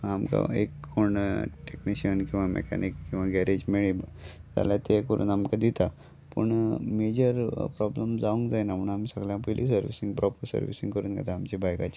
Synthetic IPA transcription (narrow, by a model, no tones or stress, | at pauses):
amka̰ekʰːoɳʈekniɕənkĩw̃ʋamḛkʰɛ̰nikːĩw̃ʋaɡɛɾed͡ʑmeɭid͡za̰ljat̪ekəɾʔṵːnamkad̪it̪a | pə̰ɳmed͡ʑəɾpɾɔbləmd͡zaʋũŋkd͡zajnaməɳamisəɡljãpəilʔis̬əɾʋḭsiŋɡpɾɔpəɾsə̰ɾʋḭsĩŋɡkəɾuːnɡʱa̰t̪aːmt͡ɕibajkat͡ɕi